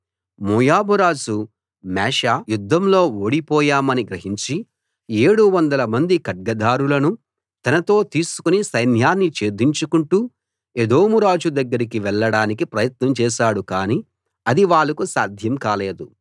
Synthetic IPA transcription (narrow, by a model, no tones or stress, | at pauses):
muːjaːbuɾaːd͡ʒu | mɛːʃajud̪ʱːɐmlo̞ːoːɽipɔːjaːmɐniɡɾɐɦiɲt͡ʃi | e̞ːɽuʋɐnd̪ɐlɐmɐnd̪ikɐɖ̚ɡɐd̪aːɾulɐnu | t̪ɐnɐt̪o̞ːt̪iːsu̥kunisɐjnjaːnːit͡ʃe̞ːd̪iɲt͡ʃukuɳʈuː | ed̪o̞ːmuɾaːd͡ʒud̪ɐɡːɐɾikiʋɛɭːɐɽaːnikipɾɐjɐt̪nɐmt͡ʃɛːʃaːɽukaːni | ɐd̪iʋaːɭːɐkusaːd̪ʱjɐmkaːle̞ːd̪u